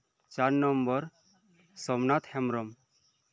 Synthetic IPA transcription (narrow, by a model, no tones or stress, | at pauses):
t͡ʃaɾnɔmbɔɾ | sɔmnat̪hɛmɾɔm